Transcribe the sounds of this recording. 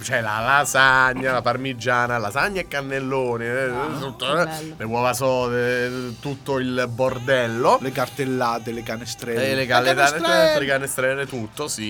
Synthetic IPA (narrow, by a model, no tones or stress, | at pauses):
t͡ʃɛla̰lasaɲːalaparmid͡ʒːaːnalasaɲːaekːanːelːoːnit̪ut̪ːoɛlewɔvasɔːd̪et̪ut̪ːoilbord̪ɛlːolekart̪elːaːt̪elekanest̪ɾɛelekalt̪aɛlekanest̪ɾɛːlet̪ut̪ːosi